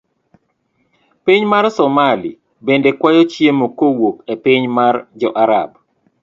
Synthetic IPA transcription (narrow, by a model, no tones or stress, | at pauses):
piɲmaɾsɔmalḭ | bendekwajɔt͡ʃjemokowokepɪɲmard͡ʒɔʔaɾa̰b